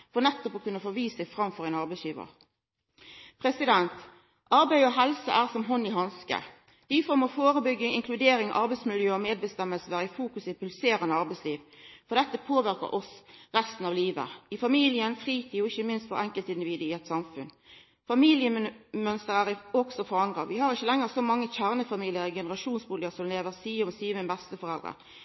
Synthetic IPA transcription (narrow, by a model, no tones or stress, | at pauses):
fɔʁnɛt̪ːɔpɔkʉnːəfoːʋiːsɛɪfɾɑmfɔʁɛɪnɑʁbɛɪsjiːʋə̰ʁ | pʰʁɛsɪd̪ɛnt̪ | ʔɑɾbæɪɔɦɛlsə̰ʔæːʁsɔmɦɔnːɪɦɑnskə̰ | d̪̥ɪfoːʁmɔfoːɾəbʏɡːɪŋɪŋkʰlʉd̪eːɾɪŋʔɑ̰ɾbɛɪtsmɪljøːɔmeːd̪̚bəst̪ɛmːəlsəæɾɪfuːkʉsɪpʉlseːɾənəɑɾbɛɪsliːʋfɔʁd̪ɛt̪ːəpʰoːʋɪɾkə̰ɾɔsʁɛst̪ən̩ɑʋliːʋə̰ɪfɑmiːlɪənfʁiːt̪ʰiːɔɪçːəmɪnst̪fɔɾɛŋkəlt̪ɪnd̪ɪʋiːd̪əɪɛt̪sɑmfʉn | fɑmiːlɪəmœnst̪əɾæɾɪɔɡsɔfɔɾɑnd̪ʁɑ̰ʋɪhɑɾɪçːəlɛŋːəʁsɔmɑŋːəçæʁnəfɑmiːlɪəɾɪɡɛnəɾɑʃuːnsbʊləəsɔmleːʋəʁsiːmsiːʋəbɛst̪əfɔʁɛld̪ʁə̰